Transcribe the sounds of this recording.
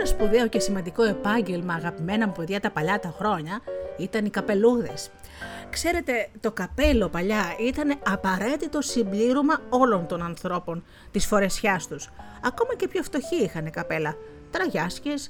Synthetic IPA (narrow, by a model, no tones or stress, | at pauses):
nɐspuðeo̞ce̞simɐnd̪iko̞e̞pɐɲɟe̞lmɐːɣɐpime̞nɐmpo̞ðʝɐt̪ɐpɐʎɐt̪ɐxɾo̞ɲɐit̪ɐnikɐpe̞luðe̞skse̞ɾe̞t̪e̞t̪o̞kɐpe̞lo̞pɐʎɐit̪ɐne̞ɐpɐɾe̞t̪it̪o̞simbliɾomɐo̞lo̞nt̪o̞nɐnθɾo̞po̞n | t̪isfo̞ɾe̞sçɐst̪us | ɐko̞mɐce̞pçoft̪o̞çiixɐne̞kɐpe̞lɐ | t̪ɾɐʝɐsces